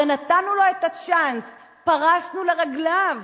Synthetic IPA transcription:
enat̪anulo̞et̪at͡ʃans | paʁasnuleʁaɡlav

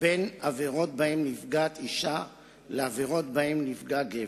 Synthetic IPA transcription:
benaveʁo̞t̪̚bahemnifɡat̪iʃa | leaveʁo̞t̪bahemnifɡaɡe

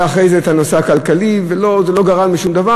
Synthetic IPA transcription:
aχʁejzeːt̪anoseakalkalivelo̞zelo̞ɡaʁalmiʃumd̪ava

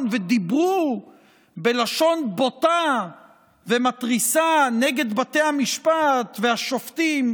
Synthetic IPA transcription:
nved̪ibʁu | be̞laʃo̞nbo̞t̪a | ve̞mat̪ʁisaneɡe̞d̪bat̪e̞jhamiʃpat̪vehaʃo̞ft̪im

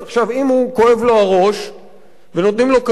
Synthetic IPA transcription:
aχʃavimhuko̞e̞vlo̞aʁo̞ʃ | veno̞t̪nimlo̞ka

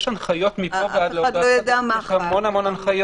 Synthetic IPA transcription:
ʃanχajo̞t̪mipoɡadldojad̪eamaʃhamonamo̞nanχajo

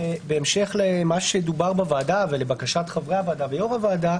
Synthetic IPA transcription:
beːmʃe̞χlemaʃemd̪ubaʁbavaːdavelebakaʃat̪χavʁeavaːd̪avejoʁavaːda

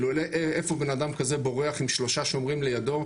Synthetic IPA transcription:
luleʔeefobe̞nadamkazebo̞ʁeaχimʃlo̞ʃaʃo̞mʁimle̞jado̞

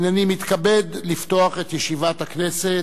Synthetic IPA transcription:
nanimit̪kabed̪lift̪o̞aχe̞t̪jeʃivat̪haknese

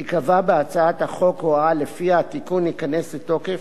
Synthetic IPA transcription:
hikavabeat͡saat̪haχo̞khoalefiatikunikaneslet̪o̞kef

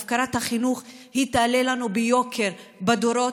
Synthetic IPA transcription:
fkaɾat̪haχinuχ | hit̪alelanubejo̞kʰe̞ɾbad̪oɾo̞

